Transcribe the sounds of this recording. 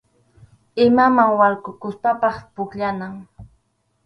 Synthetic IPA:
ɪmamaŋwaɾkʊkʊspapɑχpʊkʎanaŋ

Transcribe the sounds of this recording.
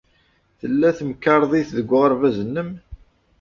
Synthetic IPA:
θəlːæθəmkːɑɾˤðˤiθðəɡʷːʁəɾˤvæzənːəm

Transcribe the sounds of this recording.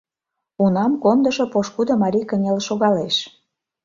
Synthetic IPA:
unɑmkond̪ə̆ʃopoʃkud̪ŏmɑɾʲikə̆nʲelʃoɣɑleʃ

